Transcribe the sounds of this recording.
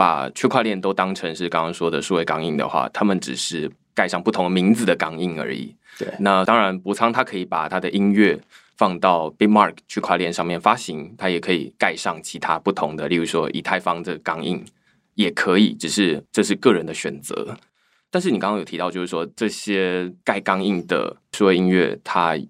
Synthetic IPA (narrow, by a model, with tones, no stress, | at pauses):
pa̰˨˩t͡ɕʰɥɛ˥kʰwa˥˧ljɛ˥˩nt̪o˥ʊt̪ɑ˥ŋʈ͡ʂʰɤ˧˥ŋʂɻ̩˥˩kɑ˥ŋkɑ˥ŋʂwɔ˥d̪ə˨ʂu˥˩we˧˥ɪkɑ˥ŋi˥˩ŋd̪ə̰˩xwa̰˥˩t̪ʰa˥mə˨nʈ͡ʂɻ̩˨˩ʂɻ̩˥˩ | ka˥˧ɪʂɑ˥˧ŋpu˥˩t̪ʰʊ˧˥ŋd̪ə˨mi˧˥ŋd͡z̩˨d̪ə˩kɑ˥ŋi˥˩ŋə̰˞˧˥ḭ˨˩ | na˥˧t̪ɑ˥ŋɻa˧˥npu˧˥t͡sʰɑ˥ŋt̪ʰa˥kʰɤ˧˥i˨˩pa̰˨˩t̪ʰa˥d̪ə˨ʔi˥nɥɛ˥˩ | fɑ˥˧ŋt̪ɑ˥˩ʊpi˥mɑ̰˥˧˩kʰt͡ɕʰɛ˥kʰwa˥˧ljɛ˥˧nʂɑ˥˧ŋmjɛ˥˩nfa˥ɕi˧˥ŋt̪ʰa˥jɛ˨˩kʰɤ˧˥ḭ˨˩ka˥˧ɪʂɑ˥˩ŋt͡ɕʰi˧˥t̪ʰa˦˥pu˥˩t̪ʰʊ˧˥ŋd̪ə˧li˥˩u˧˥˩ʂwɔ˦˥ʔḭ˨˩t̪ʰa˥˩ɪfɑ˥ŋd̪ə˨kɑ˥ŋḭ˥˩ŋ | jɛ˨˩kʰɤ˧˦˥i˨˩ʈ͡ʂɻ̩˨˩ʂɻ̩˥˧ʈ͡ʂɤ˥˧ʂɻ̩˥˧kɤ˥˩ɻə˧˦nd̪ə˧ɕɥɛ̰˨˩nt͡sɤ̰˧˦ | t̪a˥˧nʂɻ̩˩i˨˩kɑ̃˥ŋkɑ˥ŋjo˨˩i˧˥ʊt͡ɕjo˥˧ʊʂ̩˥ʂwɔ˥ʈ͡ʂɤ˥˩ɕjɛ˥ka˥˩ɪkɑ˥ŋi˥˩ŋd̪ə̰˩ʂɻu˥˩we˥˧ɪi˥nɥɛ̰˥˩t̪ʰa˥